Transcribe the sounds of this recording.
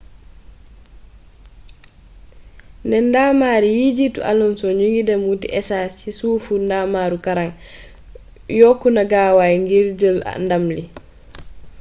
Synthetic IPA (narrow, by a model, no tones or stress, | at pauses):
ndɛndamaːɾijid͡ʒitṵʔa̰lɔnsɔɲuŋɡidɛmutḭʔɛsasisuːfundamaɾukaɾaŋ | jokːunaɡaːwajŋɡiɾd͡ʒəla̰ndamli